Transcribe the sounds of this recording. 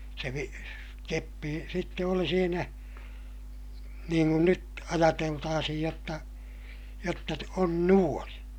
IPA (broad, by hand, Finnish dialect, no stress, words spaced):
se ʋi kepːi sitːe oli siːnæ niːŋ kun nyt ɑjɑteltɑːsihij jotːɑ jotːɑ on nuon